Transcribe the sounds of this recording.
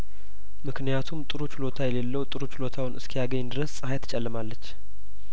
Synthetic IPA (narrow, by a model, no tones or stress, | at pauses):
mɨknijat̪ʰumt̪ʼɨɾut͡ʃɪlot̪ʰajɛle̞lːəwt̪ʼɨɾut͡ʃɪlo̞t̪ʰawunʔɨskʰijaɡəɲːd̪ɨɾəssʼɨhajt̪ʰə̥t͡ʃʼɛlːɨmalːət͡ʃː